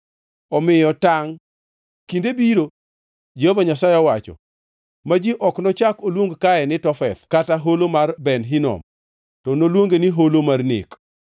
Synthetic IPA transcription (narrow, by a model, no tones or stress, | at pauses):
ɔmɪjɔtaŋ | kindebiɾo | d͡ʒeovaɲasajɪɔwat͡ʃɔ̰ | mad͡ʒiʔɔknɔt͡ʃakolwoŋɡkaɛnɪtɔfɛt̪kataɦolomarbɛnɦinɔ̰m | tɔnolwoŋɡeniɦolomarnḛk